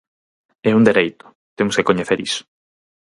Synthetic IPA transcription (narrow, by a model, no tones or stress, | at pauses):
ɛund̪eɾejt̪ʊ̥ | t̪emʊskekoɲeθeɾisʊ̥